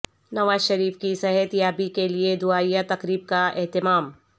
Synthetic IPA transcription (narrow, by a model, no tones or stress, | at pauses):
nɐʋaːzʃɐɾiːfkisɛɦɛt̪jaːbikelied̪ʊaːijat̪ɐkɾiːb̚kaɛɦt̪ɪmaːm